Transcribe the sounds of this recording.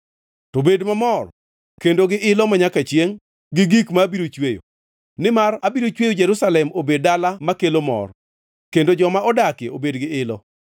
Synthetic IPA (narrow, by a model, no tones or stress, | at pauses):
tobedmamɔr | kendoɡɪʔɪlɔmaɲakat͡ʃjeŋ | ɡɪɡikmabiɾot͡ʃwejo̰ | nɪmarabiɾot͡ʃwejod͡ʒɛɾusalɛmobed̚dalamakelomɔ̰r | kendod͡ʒɔmaɔdakeobedɡɪɪlɔ